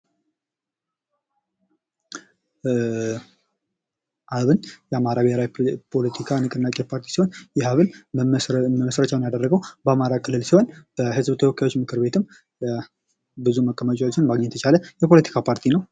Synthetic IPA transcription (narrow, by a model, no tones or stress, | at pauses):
ʔaβɨnjɛamaɾaβeɾapʰo̞lət̪ʰikʰanɨkʼɨnːakʼepʰaɾt̪ʰi̥siho̞njɛhaβɨn | məməsɾət͡ʃʼawnjad̪ərːəɡəwbəamaɾakʰɨlːɨlsiho̞nb̥əhɨzbt̪ʰəwɔkʰːajo̞t͡ʃːmɨkʰɨɾbe̞t̪ʰɨm | bɨzuməkʼːəmət͡ʃʼawo̞t͡ʃːɪnmaɡɲɛt̪ʰət͡ʃʰaləjɛpʰo̞lət̪ʰi̥kʰapʰaɾt̪ʰinəw